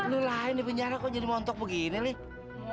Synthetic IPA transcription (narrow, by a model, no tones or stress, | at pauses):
lulainipəɲaɾakɔd͡ʒadimɔnt̪ɔk̚bəɡinilɪh